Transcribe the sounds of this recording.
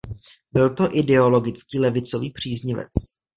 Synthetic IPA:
bɪlt̪o̞ʔɪdɛo̞lo̞ɡɪt͡skiːlɛvɪt͡so̞viːpr̝̥iːzɲɪvɛ̰t͡s

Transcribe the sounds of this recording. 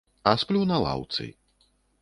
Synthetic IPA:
asplʲunɐlˠa̰wt̪sɨ̰j

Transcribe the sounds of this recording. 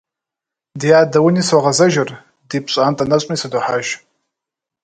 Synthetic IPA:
djaːdawiniswaʁazaʒɪr | dipʰɕʷʼaantʼanat͡ʃʷʼmisaduħaʒ

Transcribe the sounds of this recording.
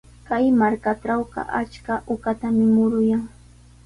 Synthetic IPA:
kajmaɾkaʈ͡ʂawɢɑ̰ʔat͡ʃkaʔʊkat̪amɪmʊɾʊjaŋ

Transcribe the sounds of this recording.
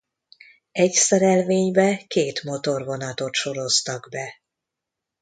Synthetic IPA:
ɛcsɛɾɛlveːɲbɛkeːt̪mo̞t̪o̞rvo̞nɒt̪o̞t̪ʃo̞ɾo̞st̪ɒɡbɛ

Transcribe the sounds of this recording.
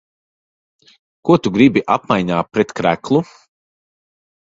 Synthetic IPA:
kuɔt̪uɡɾibiʔa̰p̚majɲaːpːɾɛt̪kɾæ̰klˠu

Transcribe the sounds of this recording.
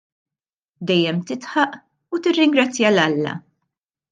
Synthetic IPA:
d̪ɛjːɛmt̪ɪt̪ħɐʔ | ut̪ɪrːɪŋɡɾɐt͡sːjɐlɐlːɐ̰

